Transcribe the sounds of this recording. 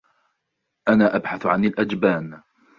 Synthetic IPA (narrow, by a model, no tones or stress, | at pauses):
ʔanaːʔabħaθʕanalʔad͡ʒbaːn